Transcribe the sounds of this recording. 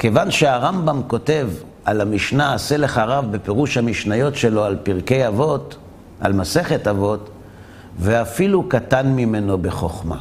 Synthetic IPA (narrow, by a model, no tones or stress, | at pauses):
kevanʃeaʁambamko̞te̞v | ʔalamiʃnaːseleχaʁavbe̞pe̞ʁuʃhamiʃnajo̞tʃe̞lo̞alpiʁke̞javot | ʔa̰lmase̞χe̞tavo̞t | veafilukatanmime̞no̞be̞χoχma̰